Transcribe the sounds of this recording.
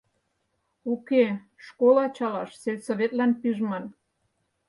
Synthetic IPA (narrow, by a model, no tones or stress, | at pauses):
uke | ʃkolɑt͡ɕɑlɑʃselʲsoβet̪lænpyʒmɑn